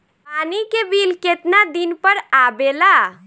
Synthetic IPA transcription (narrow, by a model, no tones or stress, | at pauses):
panikebilket̪nad̪inpəɾabela